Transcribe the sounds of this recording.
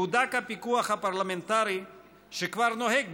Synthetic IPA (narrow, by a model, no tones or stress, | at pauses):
ud̪akapikuaχhapaɾlament̪aɾi | ʃekvaɾnoheɡ̚b